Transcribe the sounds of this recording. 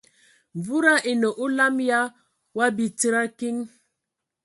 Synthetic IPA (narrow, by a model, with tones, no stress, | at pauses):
ɱ˨vu˦ɾa˦ʔi˨no˨ʔu˦la˦mja˦ | wa˦bi˨ti˦ɾa˦ki˦ŋ